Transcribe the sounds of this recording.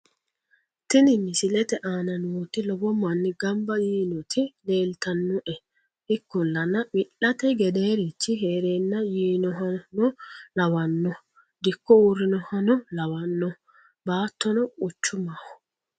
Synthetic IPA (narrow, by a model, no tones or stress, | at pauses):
t̪ɪnɪnːɪsɪlɛt̪ɛʔaːnɐnuːt̪ɪlɔbɔmːɐnːɪɡɐmbɐjiːnɔt̪ʰɪle̞ːlt̪ɐnːʊʔɛ | ɪkːɔlːɐnɐmɪlːɐt̪ɛɡɛd̪eːɾit͡ʃːɪɦeːɾeːnːɐjiːnɔɦɐnɔlɐwɐnːɔ | d̪ɪkːɔurːɪnɔhɐnɔlɐwɐnːɔ | baːt̪ːɔnɔʊt͡ʃːʊmahɔ̥